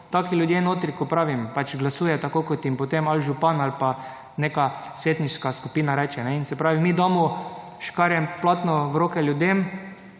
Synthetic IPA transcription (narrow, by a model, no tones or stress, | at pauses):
t̪akiljʊd̪jenoːt̪ɾikɔpɾaːʋimpat͡ʃɡlasuːjɛt̪akokɔt̪jimpot̪emalʒupanalpa | nekasʋeːt̪niʃkaskupiːnaɾɛt͡ʃɛnɛinsɛpɾaːʋimid̪ɔmu | ʃkaɾjɛmplat̪nɔʋɾoːkɛljʊd̪em